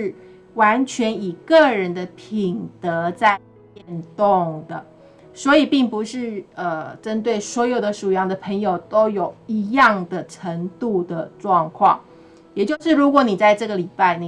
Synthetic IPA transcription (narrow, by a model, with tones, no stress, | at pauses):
ɻ̩˥˩ | wa˧˥nt͡ɕʰɥɛ˧˥ni˨˩kɤ˥˩ɻə˧˦nd̪ə˧pʰi˨˩ŋt̪ɤ˧˦t͡sa˥˧ɪ | pjɛ˥˧nt̪o˥˩ŋd̪ə˩ | swɔ˧˥i˨˩pi˥˩ŋpu˧˦ʂɻ̩˥˩ə˧ʈ͡ʂə˥nt̪̬we˥˩ɪswɔ˧˥jo˨˩ʊd̪ə˦ʂu˨˩jɑ˥˩ŋd̪ə˨pʰə˧˥ŋjo˨˩ʊt̪o˥ʊjo˨˩ʊi˧˥jɑ˥˩ŋd̪ə˩ʈ͡ʂʰə˧˥ŋt̪u˥˩d̪ə˩ʈ͡ʂwɑ˥˧ŋkʰwɑ̰˥˩ŋ | jɛ˨˩t͡ɕjo˥˧ʊʂɻ̩˥˩ɻu˧˥kwɔ˧˦ni˨˩t͡sa˥˧ɪʈ͡ʂɤ˥˩ɡə˩li˨˩pa˥˩ɪni˨